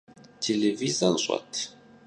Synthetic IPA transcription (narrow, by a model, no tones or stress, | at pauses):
t̪ʰelevizanzˤa̰t̪